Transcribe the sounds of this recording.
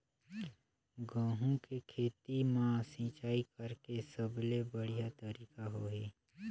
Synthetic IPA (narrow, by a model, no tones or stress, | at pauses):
ɡãːɦũkekʰeːt̪imãsĩːt͡ʃaːikəɾkesəblebəɽ̤ijat̪əɾiːkaɦoːɦeː